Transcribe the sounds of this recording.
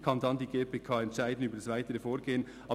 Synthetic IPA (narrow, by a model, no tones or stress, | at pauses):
kʰɑndɑndiːɡeːpʰeːkʰɑːɛntʃæɪdn̩yːbədɑsvaɪtəɾəfoːɾɡeːən | ʔɑː